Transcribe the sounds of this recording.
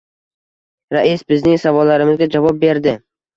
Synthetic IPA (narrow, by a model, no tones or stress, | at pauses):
ɾaʔisbɪznɪŋsavɒlːaɾɪmɪzɡʲad͡ʒavɒp̚be̞ɾd̪ɪ